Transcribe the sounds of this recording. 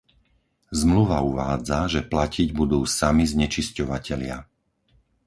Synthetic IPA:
zmluʋauʋaːd͡zaʒɛplacʰiɟbud̪uːsamizɲɛt͡ʃiscɔʋacɛʎɪa̰

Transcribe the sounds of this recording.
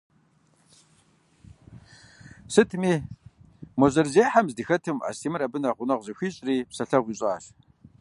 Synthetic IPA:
sɨtʰmiː | mɔʑɐrzeːħamzdɨxɐtʰɨma̰ːstʰiːmɨrɐbɨnɐʁʷʊnɐʁzɨxʷiːɕʼriːpsɐɬɐʁʷiːɕʼaːɬ

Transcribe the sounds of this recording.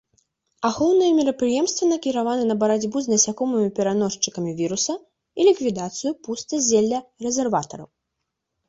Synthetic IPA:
axɔwnɨjɐmʲɛɾɐpɾɨjɛmst̪vʲɐnɐkʲiɾavanɨnɐbɐɾad͡zʲbuznɐsʲakɔmɨmʲipʲɛɾanɔʂt͡ʂɨkɐmʲivʲiɾusɐ | ilʲikvʲid̪at̪sɨjupust̪ɐzʲelʲːɐrɛzʲɛrvat̪ɐ̰ɾɐ̰w

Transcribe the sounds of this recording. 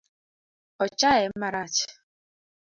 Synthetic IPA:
ɔt͡ʃaɛm̩maɾat͡ʃɪ̥

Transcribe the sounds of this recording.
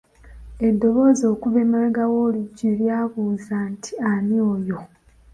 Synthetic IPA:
e̞dːo̞βo̞ːzo̞ːkuβe̞ːmalaɡawoliɟiljaːβuzaːntʰi̥aniojo

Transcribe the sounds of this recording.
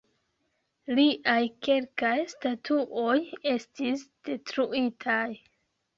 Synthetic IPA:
liʔajke̞lkajstatʰuʔo̞je̞stisd̥e̞tɾuitʰaj

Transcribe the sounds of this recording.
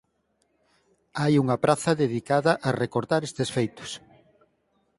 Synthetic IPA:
ajuŋɐpɾaθɐðeðikaðɐʔarekoɾt̪aɾest̪esfejt̪ʊ̥s

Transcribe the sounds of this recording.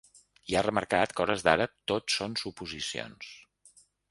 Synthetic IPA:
iarəməɾkat̪kɔɾəzd̪aɾət̪osːonsupuzisio̰ns

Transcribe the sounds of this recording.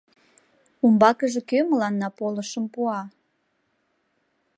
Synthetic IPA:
umbɑkəʒe̽køməlɑnːɑpoləʃəmpuɑ

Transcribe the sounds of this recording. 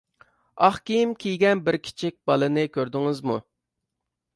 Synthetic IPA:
ɑχkʲijimkʲʰijɡʲɛnbɪɾkʲʰi̥t͡ʃʰik̚ʲb̥ɑlˠɨnɨkʲøɾd̪ɪŋɪzmu

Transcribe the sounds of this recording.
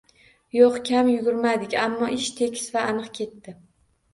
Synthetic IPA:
joqkʲʰamjʊɡʲʊɾmad̪ɪkʲamːɒʔɪʃt̪ʰe̞kʲʰɪ̥svaːnɨqkʲʰe̞t̪ːɪ

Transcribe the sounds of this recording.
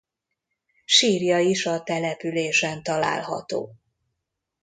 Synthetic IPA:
ʃiːrjɒiʃɒt̪ɛlɛpyleːʃɛnt̪ɒla̰ːlɦɒ̰t̪o̰ː

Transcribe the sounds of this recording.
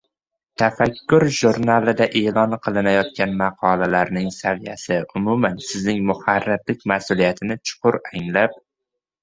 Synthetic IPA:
t̪ʰafakʲːʊɾʒʊɾnalɪd̪aʔe̞lɒnqʰɨlˠɪnajɒt̪̚kʲanmɑqʰɒlalaɾnɪŋsavijasɪʊmʊmansɪznɪŋmʊhaɾːɪɾlɪk̚ʲmasʊlijat̪ʰɪnɪt͡ʃʰʊ̥qʰʊɾaŋlap̚

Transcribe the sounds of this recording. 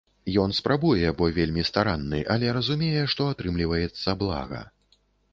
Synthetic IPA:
jɔnspɾabujɛbɔvʲelʲmʲist̪aɾanːɨ̰ʔɐlʲɛɾɐzumʲejɛʂt̪ɔat̪ɾɨmlʲivɐjɛt̪sːɐblˠa̰ɣɐ̰

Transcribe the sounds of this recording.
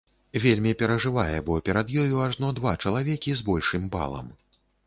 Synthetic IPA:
vʲelʲmʲipʲɛɾɐʐɨvajɛbɔpʲɛɾɐd̪jɔjuaʐnɔd̪vat͡ʂɐlˠavʲɛkʲizbɔlʲʂɨmba̰lˠɐ̰m

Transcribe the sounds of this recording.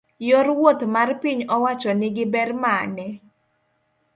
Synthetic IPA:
joɾwot̪marpiɲɔwat͡ʃɔnɪɡɪbɛrmanɛ

